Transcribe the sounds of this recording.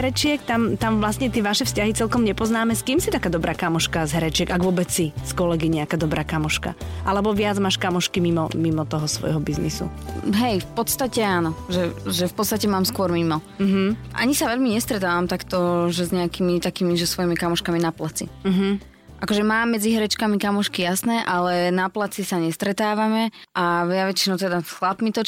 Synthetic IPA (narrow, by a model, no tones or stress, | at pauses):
ɾɛt͡ʃɪɛkt̪amt̪amʋlast̪ɲɛt̪ɪɛʋaʃɛfscaɦit͡sɛlkɔmɲɛpɔznaːmɛskiːmsit̪akaːd̪ɔbɾaːkamɔʃkazɦɛɾɛt͡ʃɪɛɡaɡʋʊɔbɛt͡ssiskɔlɛɡiɲɛakaːd̪ɔbɾʔaːkamɔʃka̰ʔalɛbɔʋɪad͡zmaːʃkamɔʃkimimɔmimɔt̪ɔɦɔsʋɔ̰jɦɔbiznisṵɦɛjfpɔt̪st̪acɛaːnɔʒɛʒɛfpɔt̪st̪acɛmaːmskʊɔɾmimɔ | ɦʔa̰ɲisaʋɛʎmiɲɛst̪ɾɛt̪aːʋamt̪akt̪ɔʒɛzɲɛakimit̪akimiʒɛsʋɔjimikamɔʃkaminaplat͡sḭɦ̩ | ʔakɔʒɛmaːmːɛd͡ziɦɾɛt͡ʃkamikamɔʃkijasnɛːʔalɛnaplat͡sisaɲɛst̪ɾɛt̪aːʋamɛʔaʋɪaʋɛt͡ʃinɔʊt̪ɛd̪asxlapmit̪ɔ